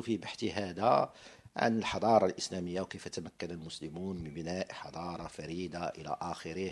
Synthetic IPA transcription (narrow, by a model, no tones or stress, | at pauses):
fibaħt̪iɦæd̪æʕa̰nəlħɑd̪ˤɑɾˤɑlʔəslæməjːawkəjfæt̪æmækːænælmʊsləmunmənbənæʔħɑd̪ˤɑɾˤɑfæɾid̪aʔəlæ̰ʔæxəɾih